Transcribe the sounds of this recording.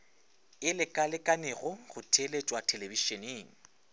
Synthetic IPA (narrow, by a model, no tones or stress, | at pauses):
ɪlɪkʼalɪkʼanɪɣɔɣʊtʰelet͡ʃʼwatʰeleviʃɔneːŋ̩